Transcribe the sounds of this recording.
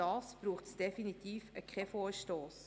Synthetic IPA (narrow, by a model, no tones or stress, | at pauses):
ɑːsb̥ɾuːχtsd̥efinit̪iːfəkχefoːɾʃtoːs